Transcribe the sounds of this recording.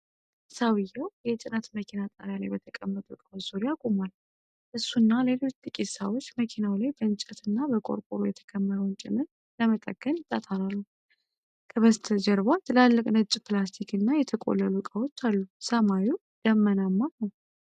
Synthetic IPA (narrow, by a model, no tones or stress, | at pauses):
sawɨjːawjɛt͡ʃʼɪnət̪məkʰinat̪ʼa̰ɾjalajbət̪ʰəkʼəmːət̪ʼukʼawot͡ʃzoɾiakʼomal | ʔɨsːunːale̞lo̞t͡ʃːt̪ʼɨkʼisawot͡ʃːməkʰinawlajbəɨnt͡ʃʼət̪ʰɨnːabəkʼo̞̰ɾkʼoɾojɛt̪ʰə̥kʰəmːəɾəwnt͡ʃʼɪ̰mːɨɾ | ləmət̪ʼə̰ɡːənjɪt̪ʼːat̪ʰalalːu | kʰʼəβəst̪ʰəd͡ʒəɾbat̪ɨlalːəkʼnɨt͡ʃʼːplast̪ʰikʰɨnːajɛt̪ʰəkʼo̰lːəlukʼawo̞t͡ʃːalːusəmawu | d̪̥əmːənamːanəw